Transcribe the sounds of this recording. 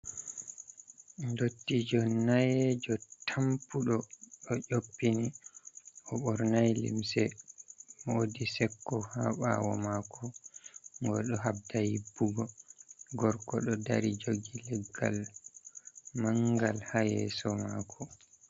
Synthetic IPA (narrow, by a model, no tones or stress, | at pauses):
ndotːid͡ʒɔnajɛd͡ʒɔtʰampuɗɔɗɔʔopːini | ʔɔɓɔɾnajlḭmsɛ | mɔodisɛkːɔhaɓa̰wɔ̰makɔ | ŋɡɔɗɔɦabdahibːuɡɔɡɔɾkɔɗɔdaɾid͡ʒoɡilɛɡːal | maŋɡalhajɛsɔmakʰɔ